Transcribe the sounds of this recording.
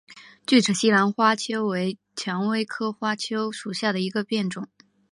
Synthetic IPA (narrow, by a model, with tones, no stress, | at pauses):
t͡ɕy˥˩ʈ͡ʂɤ˨˩ɕi˥la˧˥nxwa˥t͡ɕʰjo˥ʊwe˧˥ɪ | t͡ɕʰjɑ˧˥ŋwe˥ɪkʰɤ˥xwa˥t͡ɕʰjo˥ʊʂu˨˩ɕja˥˩d̪ə˩i˧˥ɡə˧pjɛ˥˩nʈ͡ʂʊ˨˩˦ŋ